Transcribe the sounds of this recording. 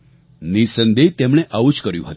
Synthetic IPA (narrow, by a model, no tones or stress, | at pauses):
nisənd̪et̪emɽ̃eʔaʋut͡ʃkəɾjṵ̃ɦət̪